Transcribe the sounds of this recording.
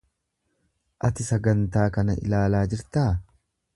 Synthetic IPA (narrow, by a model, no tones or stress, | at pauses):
ʔɐt̪ɪsɐɡɐnt̪aːkɐnɐʔɪ̰laːlaːd͡ʒɪɾt̪aː